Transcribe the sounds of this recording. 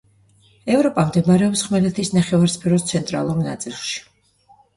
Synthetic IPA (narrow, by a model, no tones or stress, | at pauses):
ɛvɾɔpʼamd̪ɛmaɾɛɔpsχmɛlɛt̪ʰisnaχɛvaɾspʰɛɾɔst̪sʰɛnt̪ʼɾa̰lˠuɾna̰t̪sʼilˠʃi̥